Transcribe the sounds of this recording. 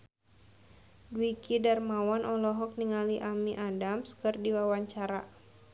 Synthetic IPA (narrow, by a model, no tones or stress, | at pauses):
dwikidarmawɔnʔɔlɔɦɔk̚niŋaliʔamiʔadamskɨrdiwawaɲt͡ʃaɾa